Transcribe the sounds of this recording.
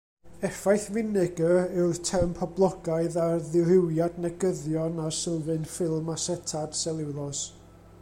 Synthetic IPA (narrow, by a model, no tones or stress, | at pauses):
ɛfajθvɪnɪɡəɪwðtʰɛrmpʰɔblˠɔɡaɨðarðɪrɪwjadnɛɡəðjɔnasəlˠvɨnfɪlˠmasɛtʰad̥sɛlˠɪwlˠɔs